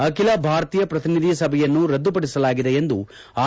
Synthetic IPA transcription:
ɐkilɐbʱaːɾɐt̪iːjɐpɾɐt̪inid̪ʱisɐbʱɛjɐnːuɾɐd̪ːupɐɽisɐlaːɡid̪ejend̪u | aː

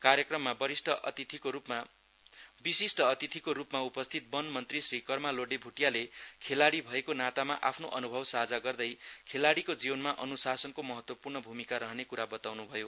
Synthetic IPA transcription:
kaɾjʌkrʌmːabʌɾisʈʌt̪it̪ʰikoupma | bisisʈʌːt̪it̪ʰikoɾupmaupʌst̪ʰit̪̚bʌnmʌnt̪risrikʌrmaloɽebʱuʈjalekʰelaɽibʱʌekonat̪amaʔapʰnoʔʌnubʱʌbsaɦd͡zaɡʌrd̪ʌjkʰelaɽikod͡ziwʌnmaʔʌnusasʌnkomʌɦʌt̪wʌpurɳʌbʱumikaɾʌɦʌnekuɾabʌt̪awnubʱʌjo

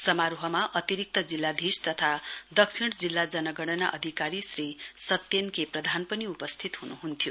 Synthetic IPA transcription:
sʌmaɾuɦʌmaʔʌt̪iɾik̚t̪ʌd͡zilːad̪ʱist̪ʌt̪ʰad̪ʌksʰiɽ̃d͡zilːad͡zʌnʌɡʌɽ̃ʌna̰ʔʌ̰d̪ʱikaɾisrisʌt̪ːjenkeprʌd̪ʱanpʌniupʌst̪ʰit̪ɦunuɦunt̪ʰjo

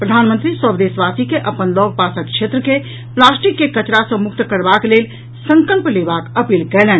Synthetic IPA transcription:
pɾəd̪ʱanmə̃nt̪ɾiswəbd̪esʋasikeʔəpənlɔɡ̚pasəkt͡ʃʰʃʰet̪ɾəke | plasʈikːekət͡ʃɾasə̃muk̚t̪kəɾbaklel | sə̃ŋkəlplebakəpilkɛlɛn

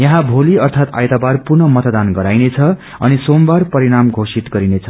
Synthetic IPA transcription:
jʌɦãbʱoliʌrt̪ʰat̪a̰jt̪abarpurnʌmʌt̪d̪anɡʌɾajnet͡sʰʌ | ʌnisombarpʌɾiɽamɡʱosit̪ɡʌɾinet͡sʰʌ̥

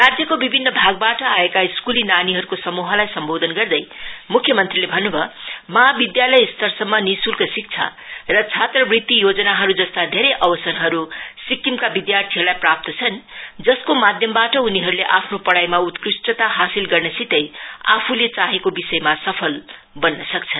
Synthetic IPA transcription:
rad͡zjʌkobibʱinːʌbʱaɡ̚baʈʌaekaiskulinaniɦʌɾukosʌmuɦʌlajsʌmbod̪ʱʌnɡʌrd̪ʌjmukʰjʌmʌnt̪rilebʱʌnːubʱʌmʌɦabid̪jalʌjst̪ʌrsʌmːʌnisulkasik̚t͡sʰa̰rʌt͡sʰat̪rʌbrit̪ːijod͡zʌnaɦʌɾud͡zʌst̪ad̪ʱeɾʌjʔʌbʌsʌnɦʌɾusikːimkabid̪jart̪ʰiɦʌɾulajprap̚t̪ʌt͡sʰʌnd͡zʌskomad̪ʱjʌmbaʈʌuniɦʌɾuleʔapʰnopʌɽajmaut̪krisʈʌt̪aɦasilɡʌrnʌsit̪ʌja̰pʰulet͡saɦekobisʌjmasʌpʰʌl | bʌnːʌsʌkt͡sʰʌn

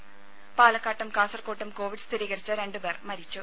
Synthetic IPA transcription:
paːlɐkːaːʈːɐmkaːsɐrkoːʈːɐmko̞ːʋiɖst̪ʰiɾiːɣɐɾit͡ɕːɨɾe̞ɳɖube̞ːrmɐɾit͡ɕːu

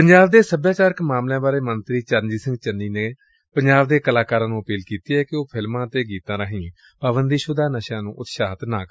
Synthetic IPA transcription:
pəɲd͡ʒaːbd̪eːsəbjaːt͡ʃaːɾəkmaːmlãːbaːɾeːmənt̪ɾiːt͡ʃəɾnd͡ʒiːsɪ̃ŋɡt͡ʃəniːneː | pəɲd͡ʒaːʋd̪eːkəlaːkaːɾãːnũːəpiːlkiːt̪iːɛːkɪoːpʰɪlmãːt̪eːɡiːt̪ãːɾaːɦĩː | paːbənd̪iːʃʊd̪aːnəʃãːnũːʔʊt̪ʃaːt̪naːkː

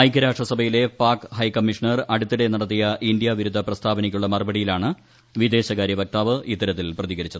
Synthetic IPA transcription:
ɐjkʲːɐɾaːʂʈrɐsɐbʱɐjile̞paːkɦɐjkɐmːiʂɐɳɐrɐɽut̪ːiɽe̞nɐɽɐt̪ːijɐʔind̪jɐʋiɾud̪ʱːɐprɐst̪ʰaːbɐnikʲːuɭːɐmɐrbɐɽijilaːɳɨ | ʋid̪e̞ːɕɐkaːɾjɐbɐk̚t̪aːʋɨʔit̪ːɐɾɐt̪ːilprɐðiɣɐɾit͡ɕːɐðɨ

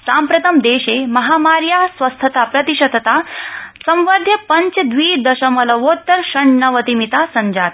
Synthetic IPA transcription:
sampɾɐt̪ʰɐmd̪eːɕemɐɦamaɾjasʋɐst̪ʰət̪apɾɐt̪iɕɐd̪t̪asɐ̃mʋad̪ʱjɐpɐɲt͡ʃd̪ʋiːd̪ɐɕɐmɐlɐʋot̪ːəɾɕɐɳːɐʋət̪imit̪asɐɲd͡ʒaːt̪

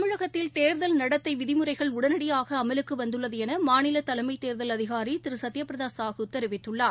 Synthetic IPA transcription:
ɐmɯɻɐɣɐt̪ːɪlt̪eːɾðɐlnɐɽɐt̪ːɐɪʋɪðɪmɯɾɐɪɣɐɭʊɽɐnɐɽɪjaːɣɐːmɐlɯkːɯʋɐnd̪ɯɭːɐðɯɛnɐmaːnɪlɐt̪ɐlɐɪmɐɪt̪eːɾðɐlɐðɪɣaːɾit̪ɪɾɯsɐt̪ːɪjɐpːɾɐðaːsaːɣɯt̪ːɛɾɯʋɪt̪ːɯɭːaː

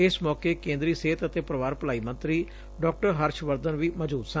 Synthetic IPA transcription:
ɪsmɔːkeːkẽːnd̪ɾiːseːt̪ət̪eːpɾəʋaːɾpəlaːiːmə̃nt̪ɾiː | ɖɔːk̚ʈəɾɦəɾʃʋəɾd̪ənʋiːməd͡ʒuːd̪sã

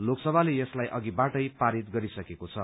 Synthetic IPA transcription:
loksʌbʱalejʌslajʔʌɡibaʈʌjpaɾit̪ɡʌɾisʌkekot͡sʰʌ

